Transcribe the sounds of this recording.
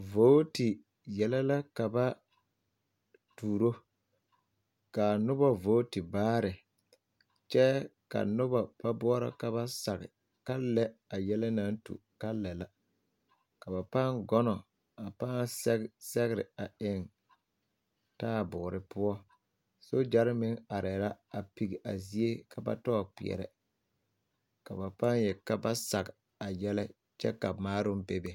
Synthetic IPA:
vo˦tɪ˨ | jɛ˨lɛ˦la˦ka˨ba˦ | tuː˨ɾo˦ | ka˨nʊ˦ba˦voː˨˦tɪ˨baː˦ɾɪ˨ | t͡ʃɛ˦ka̰˨nʊ˦ba˨pa˦bʊ˦ɔ˦ɾa̰˨ka˨βa˦sa˨ɣɪ̰˨ | ka˦lɛ˦a˨jɛ˦lɛ˦na˦ntṵ˨ka˦lɛ˨la˦ | ka˨ba˨pa˦ŋɡɔ˦nɔ˨ | a˨paː˦ɛ˦sɛ˦ɣɪ˦ɾɪ˨a˨ɪ˦˨ŋ | taː˦˨bʊː˨ɾɪ˦pʊ˦ɔ˦ | so˦d͡ʒa˦ɾɪ˦mɪ˦ŋa˨ɾɛ˨la˦a˨pi˨ɡi˨ʔa̰˨zi˦e˦kʰa˨ba̰˦tɔ˦˨pɪ̰˨ɛ̰˨ɾɛ̰˨ | ka˨ba˨pa˦njɛ˨ka˦ba˦sa˨ɡɪ˨ | a˨jɛ˦lɛ˦ | t͡ʃɛ̰˦ka˨maː˦ɾʊ˦m˦be˦be˨

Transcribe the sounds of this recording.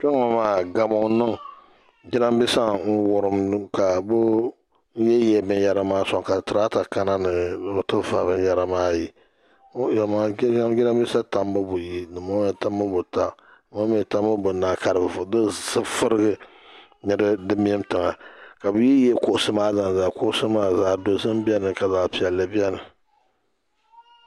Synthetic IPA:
t͡ʃɛ˦ŋɔ˨maː˦˨ɡa˨mɔ˨˦nɨ˦ŋ | d͡ʒɪ˦na˦mbɪ˦sa˦n̩˦wʊ˨ɾɨ˦m˦ka˨bʊ˦ | n̩˦jɛ˦jɛː˨bɨ˦n˦ja˦ɾa˦maː˦sɔ˨ŋ˨ka˨tɨ˨ɾa˦ta˨ka˦na˦nɨ˨bʊ˨tɨ˦va˨bɨ˦n˦ja˦ɾa˨maː˦ji˨˦ | ja˨ma˨˦ɡɪ˦na˦mbɪ˦sa˦ta˨mbɨ˦bʊ˨ji˦nɨ˨mo˦ɛ˨ta˦m˦bɨ˦bʊ˨ta˦˨ | ma˦m˦ɛ˦ta˦m˦bɨ˦bʊ˨naː˨ka˨ɾɨ˨bdɨ˦sɨ˦fɨ˦ɾɨ˦ɡɨ˦ | nɨ˦ɾɨ˦dɨ˦m˦ɛ˦mtɨ˨ŋa˨ka˨bɨ˦ji˦jɛ˦kʊ˦ʔʊ˦sɨ˦maː˦za˨n˨zaː˨kʊ˦ʔʊ˦sɨ˦maː˦zaː˦do˨zɨ˦m˦bi˦ɛ˦nɨ˨ka˨zaː˦pi˨a˨lɨ˨bi˦ɛ˦nɨ˨

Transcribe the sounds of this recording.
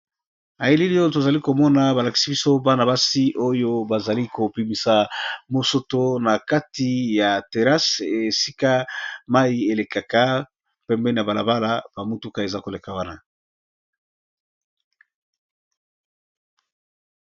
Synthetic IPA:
a˨je˦li˦li˦jo˦to˨za˨li˦ko˨mɔ˦na˨ba˨la˨ki̥˨si˦bi˦so˦ba˦na˨ba˦si˦ʔo˦jo˦ba˨za˨li˦ko˨pi˨mi˨sa˨mo˨so˦to˦na˨ka˦ti˨ja˨te˨ʁa˦se˨si˦ka˦ma˦i˦e˨le˨ka˨ka˦ | pɛ˦mbɛ˦ni˨a˨ba˨la̰˨ba˦la˦b̥a˨mu˦tu˦ka˦e˨za˦ko˨le˨ka˨wa˦na˦

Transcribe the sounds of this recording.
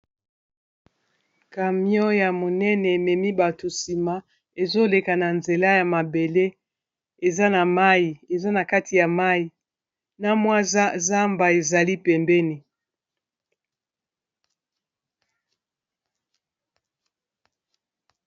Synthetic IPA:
ka˨mjɔ˦ja˨mo˨nɛ˦nɛ˨mɛ˨mi˦ba˨to˨si˨ma˦ | e˨zo˦le˨ka˨na˨nze˨la˦ja˨ma˨be˨le˦ | e˨za˦na˨ma˦ji˨e˨za˦na˨ka˦ti˨ja˨ma˦ji˨ | na˦mwa˦za˦mba˨e˨za˨li˦pɛ˨mbɛ˦ni˨

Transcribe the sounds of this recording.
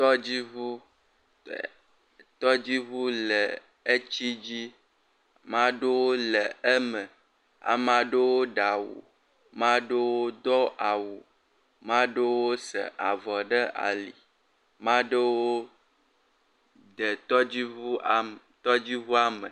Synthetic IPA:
t̪ɔ˦d͡ʑi˦vu˦˨ | t̪ɔ˦d͡ʑi˦βu˦lɛ˨ | e˦t͡ɕi˦d͡ʑi˦ | mã˦ɖe˦wo˦lɛ˨e˦mə̃˨ | a̰˨mã˨ɖe˦wo˦ɖa˨wṵ˨ | mã˦ɖe˦wo˦d̪ɔ˦ʔa˨wu˨ | mã˦ɖe˦wo˦sɛ̰˨ʔa˨vɔ˨ɖə˦ʔa̰˨li˨ | mã˦ɖe˦wo˦ | d̪ə˨t̪ɔ˦d͡ʑi˦βu˦ | t̪ɔ˦d͡ʑi˦βu˦a˦mə˨

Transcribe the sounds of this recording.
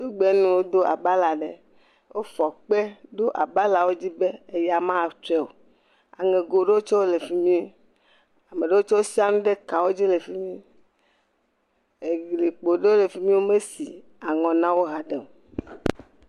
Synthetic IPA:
o˦ɡ͡be˨˦nũ˦wo˦d̪o˦a˨ba˦la˨ɖe˨ | wo˦fɔ˨k͡pe˦d̪o˦ʔa˨ba˦la˨wo˦d͡ʑi˦be˦e˨ja˨mã˦a˨t͡ʃɛ˦o̰˨ | a̰˨ŋẽ˨ɡo˨ɖe˦wo˦t͡ʃɔ˦wo˦le˨fi˦mĩ˦ | a˨me˨ɖe˦wo˦t͡ʃɔ˦wo˦si˦a˦nũ˦ɖe˦ka˨wo˦d͡ʑi˦le˨fi˦mĩ˦ | e˨ɡli˨k͡po˨ɖe˦wo˦le˨fi˦mĩ˦wo˦me˦si˨ | a˨ŋɔ̃˨nã˦wo˦ɦa˨ɖe˨m˨

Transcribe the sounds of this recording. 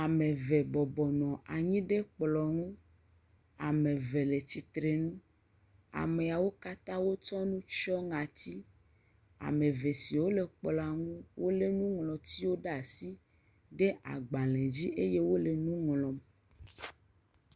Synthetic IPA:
a˨mẽ˨ve˨bɔ˨bɔ˨nɔ̃˨ʔa˨ɲĩ˦ɖe˦k͡plɔ˨ŋũ˦ | a˨mẽ˨ve˨le˨t͡ɕi˨t̪ɾe˨nũ˦ | a̰˨me˨a˨wo˦ka˦t̪ã˦wo˦t͡ʃɔ˦nũ˦t͡ʃɔ˦ŋã˨t̪i˦ | a̰˨me˨ve˨si˨wo˦le˨k͡plɔ˨a˨ŋũ˦wo˦le˨nũ˦ŋlɔ˨t̪i˦wo˦ɖa˨si˦ | ɖe˦ʔa̰˨ɡ͡ba˨lɛ̃˨d͡ʑi˦ʔe˦je˦wo˦le˨nũ˦ŋlɔ̃˨m

